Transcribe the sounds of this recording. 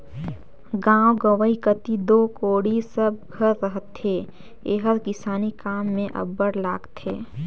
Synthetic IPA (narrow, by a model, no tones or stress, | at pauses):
ɡãːwɡəʋəikət̪id̪oːkoːɽisəb̚ɡʱəɾːəɦət̪ɦeː | eːɦəɾkɪsaːnikaːmːẽʔə̰bəɽlaːɡt̪heː